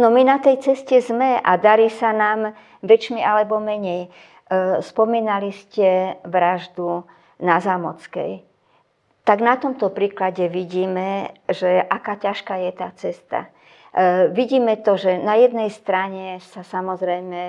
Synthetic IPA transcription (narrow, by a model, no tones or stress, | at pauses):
nɔminat̪ɛjt͡sɛscɛzmɛʔa̰d̪aɾiːsanaːm | ʋɛt͡ʃmiʔalɛbɔmɛɲɛj | spɔmiːnaliscɛʋɾaʒd̪u | nazaːmɔt͡skɛ̰j | t̪aɡnat̪ɔmt̪ɔpɾiːklaɟɛʋiɟiːmɛʒɛʔakaːcaʃkaːjɛt̪aːt͡sɛst̪a̰ | ʋiɟiːmɛt̪ɔʒɛnajɛd̪̚nɛjst̪ɾaɲɛsasamɔzɾɛjmɛ